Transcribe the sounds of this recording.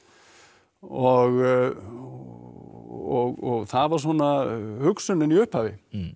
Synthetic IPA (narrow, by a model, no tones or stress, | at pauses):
ɔɣ | ɔɣɔɣθaðvaɾ̥s̬ɔnahʏksʏnɪniʏhphaːvɪ